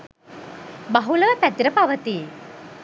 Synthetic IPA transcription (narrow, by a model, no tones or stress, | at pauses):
baɦuləʋəpæt̪iɾəpaʋət̪i